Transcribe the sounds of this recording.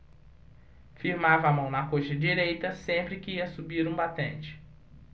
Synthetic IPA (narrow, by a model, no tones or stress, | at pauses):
fiɾmavɐːmɐ̃w̃nɐkoʃɐd͡ʒiɾejt̪ɐsẽmpɾɪkɪiɐsubiɾũbat̪ɐ̰̃nt͡ʃɪ̥